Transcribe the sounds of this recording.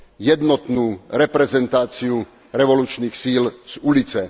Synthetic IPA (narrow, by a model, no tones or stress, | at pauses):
jɛd̪nɔt̪nuːɾɛpɾɛzɛnt̪aːt͡siu | ɾɛʋɔluːt͡ʃniːxsiːlz̥ulit͡sɛ